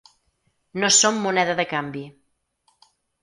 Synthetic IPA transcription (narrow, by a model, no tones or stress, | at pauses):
nosomːunɛðəðəkambi